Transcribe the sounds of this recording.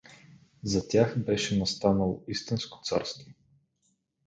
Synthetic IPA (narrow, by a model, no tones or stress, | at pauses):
zɐt̪ʲjaxbɛʃɛnɐst̪anəlˠoist̪insko̥t̪sa̰ɾst̪vo